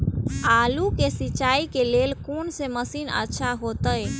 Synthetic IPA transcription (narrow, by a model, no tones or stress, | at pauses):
aːlukesit͡ʃaikelelkonseməsiːnə̰tːʃʰaɦot̪əj